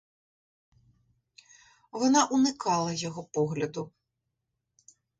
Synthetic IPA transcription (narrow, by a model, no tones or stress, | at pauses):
ʋɔnɑʔunɪkɑlˠɐjɔɦɔpɔɦlʲɐd̪ʊ